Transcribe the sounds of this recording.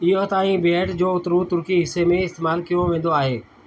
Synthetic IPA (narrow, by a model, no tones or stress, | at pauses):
ijot̪aːĩbeːʈd͡ʑoːʊt̪ɾut̪ʊɾkiɦɪsːemẽɪst̪eːmaːlkijõʋẽːn̆d̪oaːɦeː